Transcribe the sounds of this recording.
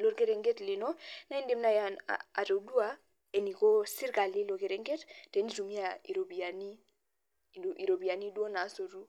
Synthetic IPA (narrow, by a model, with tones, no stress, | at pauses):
lo˨ɾɡe˦ɾe˨ŋɡe˦tli˨no˦na˦i˦nde˦mna˦ja̰a̰˨to˨du˦a˦ | e˨ni˨ko˦si˦ɾka˨li˦lo˨ke˨ɾe˦ŋɡe˦tte˨˦ni˦tu˨mi˦a˨i˨ɾo˨bi˨a˨ni˦˨ | i˨ɾo˨bi˨a˨ni˦du˦o˦na˨˦so˨ɾu˦